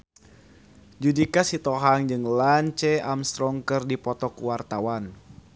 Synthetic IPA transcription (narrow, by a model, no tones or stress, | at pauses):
d͡ʒudikasit̪ɔɦaŋd͡ʒɨŋlaɲt͡ʃɛamst̪ɾɔŋkərdipɔt̪ɔkuwart̪awan